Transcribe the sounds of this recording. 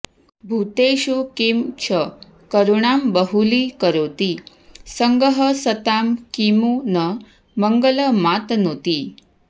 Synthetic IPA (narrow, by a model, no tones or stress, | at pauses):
bʱut̪eɕukimt͡ɕʰə | kəɾuɳ̃ambəɦulikəɾot̪i | səŋɡəɦəsət̪amkimunə | məŋɡələmat̪not̪i